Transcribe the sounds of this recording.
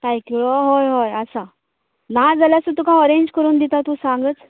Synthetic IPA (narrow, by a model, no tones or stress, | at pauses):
t̪ajkiɭoɦojɦojəsa | nad͡zaljasut̪ukãəɾeɲd͡ʑkəɾuːnd̪it̪at̪usãŋɡət͡s